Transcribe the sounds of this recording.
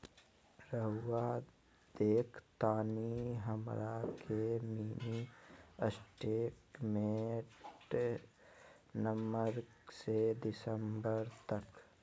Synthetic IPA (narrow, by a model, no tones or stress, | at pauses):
ɾəɦʊwa | d̪̥eːkʰt̪aːniɦəmɾakʰemiːniəsʈeːkmeʈ | nəməɾ | sed̪ɪsəmbəɾt̪ɐk